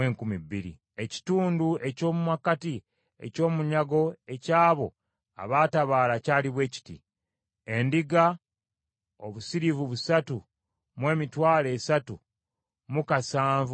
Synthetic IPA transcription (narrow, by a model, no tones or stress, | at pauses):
eːŋkumibiɾḭ | e̞ci̥tuːndue̞co̞ːmumakati | e̞̰co̞ːmuɲaɡo̞e̞caːβo̞ | a̰βaːtaβaːlacaːliβwe̞ːci̥tḭ | e̞ndiɡa | o̞βusiɾivuβusatu | mwe̞ːmitwaːle̞ːsatu | mukasaːɱvu